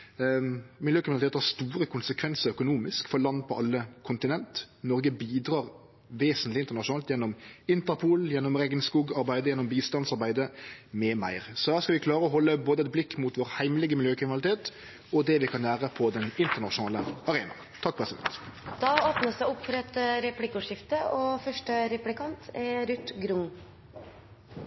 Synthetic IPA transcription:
mɪljøːkɾɪmnlt̪ʰeːt̪hɑɾst̪uːɾəkʰʊnsəkʰʋɛnsəɾœkʊnuːmɪskfɔlɑnd̪pʰɔɑlːəkʰʊnt̪ɪnɛnt̪ | nɔɾɡəbiːd̪ɾɑːʁ | ʋeːsənt̪lɪnt̪ənɑʃʊnɑːlt̪jɛnːɔmɪnt̪əɾpʰuːljɛnːɔmɾɛɡənskuːɡɑɾbæɪd̪əjɛnːɔmbiːst̪ɑnsɑɾbæɪd̪əmɛmæ̰ɪʁsɔd̪æːɾskɑlʋɪkʰlɑːɾəɔɦɔlːəboːd̪əɛt̪̚blɪkːmuːt̪ʋɔːʁhæɪmlɪɡəmɪljøːkʰɾɪmnɑlɪt̪ʰeːt̪ | ɔd̪ɛʋɪkʰɑnlæːʁəpʰɔd̪ɛnɪnt̪əʁnɑʃʊnɑːləɑʁeːnɑ̰ | t̪ʰɑk̚ːpʰʁɛsɪd̪ɛ̰nt̪d̪̥ɑːoːpnəsd̪æʊpːfɔɾɑɛt̪ɾɛplɪkʊʂɪft̪əʔɔfœʂʈəɾɛplɪkʰɑnt̪ʰɛɾʉt̪ɡɾʊŋ

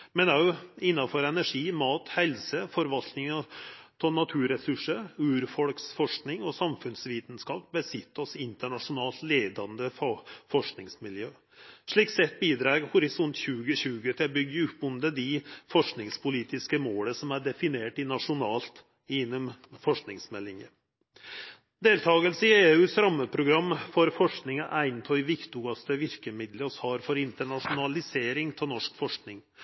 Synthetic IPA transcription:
mɛnɑɪnːɑfɔɾɛnæʂiːmɑːt̪hɛlsəfɔɾʋɑlt̪nɪŋɑt̪ʰɛnɑt̪ʰʉːɾɛsʉʂːəɾʉːɾfɔlksfɔʂknɪŋɔsɑmfʉnsʋiːt̪n̩skɑːpbəsɪt̪ːɔsɪnt̪əɳɑʂʊnɑːlt̪leːd̪ɑnd̪əffɔʂknɪŋsmɪljøː | ʂɭiːksɛt̪̚ːbiːd̪ɾɑːɾhʊɾɪsɔnt̪çʉːɡəɕʉːɡət̪ʰɪlbʏɡːəʉpːʊnd̪əd̪ɪfɔʂknɪŋspʰʊliːt̪ɪskəmoːləsɔmæɖɛfɪneːʈɪnɑʂʊnɑːlt̪ | ɪnːɔmfɔʂknɪŋsmɛlːɪŋə | d̪eːlt̪ʰɑːɡəlsəɪeːʉːsɾɑmːəpʰɾʊɡɾɑmːfɔɾfɔʂknɪŋəʔæɪnt̪ʰɔʏʋɪkt̪ʊɡɑst̪əʋɪɾkəmɪd̪ləɔshɑːɾfɔɾɪnt̪əɳɑʂʊnɑlɪseːɾɪŋt̪ʰɪlnɔʂkfɔʂknɪŋ

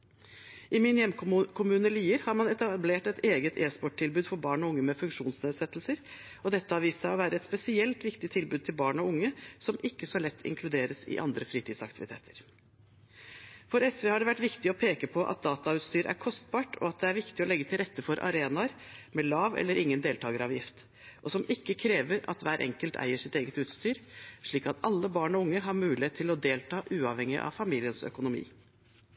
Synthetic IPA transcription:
ʔɪmɪnjɛmːkʊkʰʊmʉːnəliːəɾhɑɾmɑnɛt̪ɑbleːʈɛt̪eːɡət̪ʰeːspɔʈʰːɪlbʉːd̪fɔɾbɑːɳɔʊŋːəmɛfʉŋʂuːnsneːd̪sɛt̪ːlsəɾ | ɔd̪ɛt̪ːəɑʋiːsɑoʋæːɾəɛt̪spɛsɪɛlt̪ʋɪkt̪ɪt̪ʰːɪlbʉd̪̚t̪ʰɪlbɑːɳɔʊŋːəsɔmɪkːəsɔlɛt̪ʰːɪ̰ŋkʰlʉd̪eːɾəsɪ̰ʔɑ̰nd̪ɾəfɾiːt̪iːd̪sɑ̰kt̪ɪʋɪt̪ʰḛːt̪ʰə̥ɾ | fɔɾɛsʋeːhɑɖɛʋæʈːʋɪkt̪ɪɔpʰeːkəpʰɔʔɑ̰t̪̚d̪ɑːt̪ɑʉːt̪st̪yːɾæ̰ɾkʰɔst̪̚bɑːʈʰɔ̰ɑt̪̚d̪ɛæɾʋɪkt̪ɪɔlɛɡːət̪ʰɪlɾɛt̪ːəfɔɾʔɑ̰ɾeːnɑəɾmɛlɑːʋɛ̰lːəɾɪŋːənd̪eːlt̪ʰɑːɡəɾɑʋjɪft̪ | ʔɔsɔmɪkːəkʰɾeːʋəɾɑ̰t̪ʋæːɾʔɛ̰ŋkəlt̪æ̰ɪəʂɪt̪eːɡət̪ʉːt̪st̪yːɾʂɭiːkɑt̪ɑlːəbɑːɳɔʊŋːəɦɑɾmʉːlɪheːt̪ʰːɪlɔd̪eːlt̪ʰɑːʔʉːɑʋhɛŋɪʔɑ̰ʋfɑmiːlɪənsœ̰kʊnʊmḭː

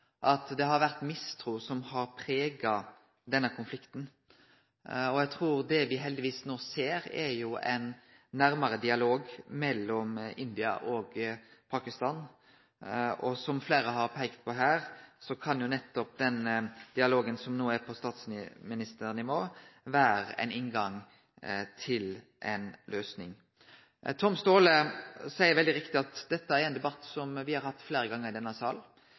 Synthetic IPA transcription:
ʔɑt̪d̪ɛɦɑɾʋæʁt̪mɪst̪ʰɾuːsɔmhɑɾpʰɾeːɡɑ | d̪ɛnːəkʰʊnflɪkt̪n̩ | ɔjæɡt̪ʰɾuːɾd̪ɛʋɪɦɛld̪ɪʋiːsnoːseːɾɛɾjʊɛ̰nː | æɾməɾəd̪ɪɑloːɡmɛlːɔmɪnd̪ɪɑ̰ʔɔɡpʰɑkɪst̪ɑːn | ɔsɔmfleːɾəɦɑɾpʰæɪkt̪̚pʰɔɦæːɾsɔkʰɑnjʊnɛt̪ːɔp̚d̪ɛnd̪̥ɪɑloːɡənsɔmnuːæɾpʰɔst̪ɑːt̪snɪmɪnɪst̪əɾnɪʋoːʋæːɾə̰ɛ̰ɪnɪŋɡɑŋ | t̪ʰɪl | ʔɛnlʔøːsnɪŋ | t̪ʰɔmst̪oːləsæɪəɾʋɛld̪ɪɾɪkt̪ɪɑt̪d̪̥ɛt̪ːəæɾɛɪnd̪ɛbɑt̪ːsɔmʋɪhɑɾhɑt̪ːfleːɾəɡɑŋːəʁɪd̪ɛnːəsɑːl

